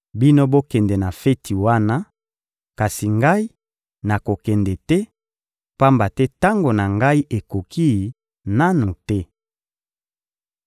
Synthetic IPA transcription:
bi˦no˦bo˦kɛ˨ndɛ˨na˨fɛ˦tʰi˨wa˦na˦ | ka˨si˨ŋɡa˦i˦ | na˨ko˨kɛ˨ndɛ˨tɛ˦ | pa˦mba˨tɛ˦ta˦ŋɡo˨na˨ŋɡa˦i˦ʔe˨ko˨kʰi˦˨ | na˦nu˨tɛ˦

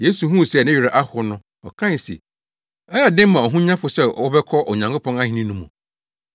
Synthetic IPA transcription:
je˦su˨ɦũ˦˨sɛ˨nɪ̃˦ɥᶣi˨ɾa˨ʔa˦hʊ˨˦nʊ̃˦ | ɔ̰˨kʰã˦n˨sḭ˨ | ɛ˦jɛ˨dɪ̃˦m˦mã˨ɔ˨ɦũ˦ɲã˦fʊ˨sɛ˦ɔ˦bɛ˦kʰɔ˦ʔɔ˨ɲã˨ŋkʰo˦pʰɔ̃˦a˦hĩ˨nĩ˦nũ˦mṵ̃˨

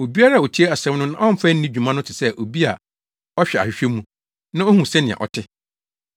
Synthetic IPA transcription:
o˨bi˦a˦ɾa˦˨o˨tʰi˦e˦a˨sɛ̃˦mnʊ̃˦nã˦m̩˦fæ˦n̩˦nĩ˦d͡ʑᶣu˨mã˦nʊ̃˦tʰɪ˨sɛ˦ʔo˨bi˦a˨ | ɔ˦ɕᶣɛ˨a̰˨ɕᶣɪ˨ɕᶣɛ˦mːũ˦ | nã˦o˦hũ˨sɛ˦nɪ̃˨a̰˨ʔɔ̰˨tʰɪ˦

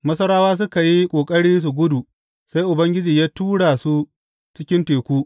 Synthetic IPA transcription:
mɐ˦sɐ˦ɽaː˦waː˦s̬ʊ˦ka˨ji˦kʷʼoː˨kʼɐ˦ɽiː˦s̬u˨ɡʷʊ˦du˨ | sa˦jʔʊ˨bɐ˦ŋɡʲɪ˦d͡ʒiː˨jaː˦tuː˦ɽa˨su˦ | t͡ʃɪ˦kʲɪ˦nteː˨kʷuː˦

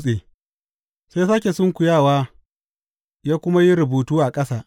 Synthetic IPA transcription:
sʼeː˨ | se˦saː˦kʲe˨sʊ˦ŋkʷʊ˨jaː˦˨waː˦ | jaː˦kʷʊ˦ma˦ji˦ɾʊ˨buː˨tuː˦ʔa˨kʼɐ˦saː˨ʔ

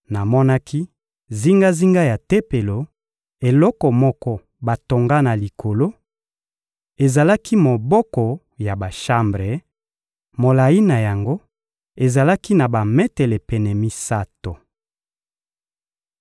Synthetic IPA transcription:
na˨mɔ˦na˦kʰi˦ | zi˦ŋɡa˦zi˦ŋɡa˦ja˨te˦pe˨lo˨ | e˨lɔ˦kɔ˨mɔ˦kɔ˦ | ba˨to˨ŋɡa˦na˨li˨kʰo˨lo˦ | e˨za˨la˦kʰi˦mo˨bɔ˦kɔ˨ | ja˨ba˨ʃa˦mbʁe˨ | mo˨la˨ji˦na˨ja˨ŋɡo˦ | e˨za˨la˦ki˦na˨ba˨mɛ˦tɛ˨lɛ˨pɛ˨nɛ˨mi˦sa˦to˨

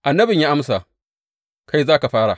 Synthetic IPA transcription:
ʔa˨nːɐ˦bɪ˨ɲja˦ʔa˦msa˨ | kʰa˦jzaː˦ka˨ɸaː˦ɽa˨

